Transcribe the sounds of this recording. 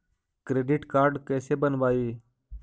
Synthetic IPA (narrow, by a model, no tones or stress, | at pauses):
kɾeːɖiʈkaːɾɖkeːsebənʋaːiː